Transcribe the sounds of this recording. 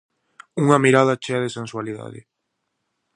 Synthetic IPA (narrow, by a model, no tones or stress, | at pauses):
uŋamiɾað̞at͡ʃeaðesenswaliða̰ðɪ̰